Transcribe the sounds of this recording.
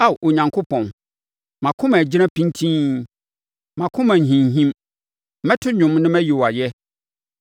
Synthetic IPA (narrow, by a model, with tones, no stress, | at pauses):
a˦˨ʔo˨ɲã˨ŋkʰʊ˦pʰɔ̃˨n | mã˨kʰʊ̃˦mæ̃˨d͡ʑi˦ɾã˦pʰĩ˦ntʰĩ˦ | mã˨kʰʊ̃˦mã˨ɦĩ˨ɲ˨ɦĩ˦m | mɛ̃˦tʰʊ˦ɲʊ̃˨mnɪ̃˦mɛ̃˦ji˨wa˨jɛ˦